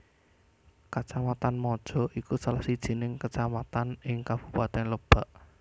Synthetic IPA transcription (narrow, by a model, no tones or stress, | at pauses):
kat͡ʃamat̪anmɔd̥ʒ̥ɔ̤ʔikusalahsid̥ʒ̥i̤nɪŋkət͡ʃamat̪anɪŋkab̥ṳpat̪ɛnləb̥a̤ʔ